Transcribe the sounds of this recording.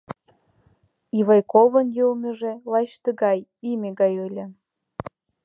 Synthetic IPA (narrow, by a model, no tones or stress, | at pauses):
iβɑjkovə̆njəlmʲə̆ʒĕlɑʃt̪ə̆ɣɑjimʲeɣɑjɯlʲĕ